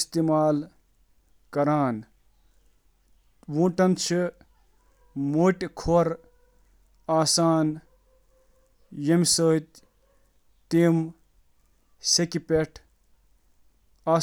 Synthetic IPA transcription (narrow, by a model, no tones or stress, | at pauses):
st̪imaːl | kɐɾaːn | wũːʈɐnt͡ʃʰi | moːʈkʰoɾ | aːsaːn | jemsəːt̪ | t̪im | sekipeʈʰ | aː